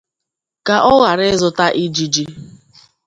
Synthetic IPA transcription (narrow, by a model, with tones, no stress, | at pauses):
ka˨ʔɔ˦ɣa˨ɾɪ˦zʊ˦ta˦ʔi˦d͡ʒi˦d͡ʒi˦